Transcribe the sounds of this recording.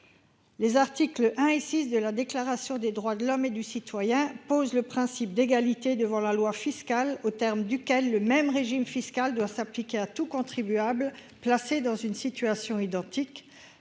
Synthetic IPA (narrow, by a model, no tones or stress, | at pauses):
lezaʁt̪iklʔɛ̃esisd̪əlad̪eklaʁasjɔ̃d̪ed̪ʁwad̪əlɔmed̪ysit̪wajɛ̃pozləpχɛ̃sip̚d̪eɡalit̪ed̪əvɑ̃lalwafiskalot̪ɛʁmd̪ykʲɛlːəmɛmʁeʒimfiskald̪wasaplikʲeat̪ukɔ̃t̪χibyabl | plased̪ɑ̃zynsit̪yasjɔ̃id̪ɑ̃t̪ik